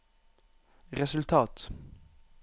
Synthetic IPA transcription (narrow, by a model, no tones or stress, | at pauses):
ʁɛsʉlt̪ʰɑːt̪